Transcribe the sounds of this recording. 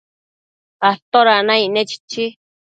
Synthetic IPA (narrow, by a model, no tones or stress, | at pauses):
at̪oɾanãiʔnẽt͡ʃi̥t͡ʃi